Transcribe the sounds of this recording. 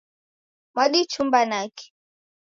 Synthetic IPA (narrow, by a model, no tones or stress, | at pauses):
maɗit͡ʃumbanaki̥